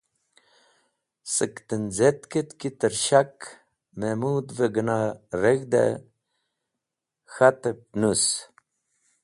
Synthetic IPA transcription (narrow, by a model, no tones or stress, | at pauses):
səkt̪ənzet̪kət̪kit̪əɾɕak | memuːd̪vəɡənaɾeɣd̪ḛ | xat̪əpnus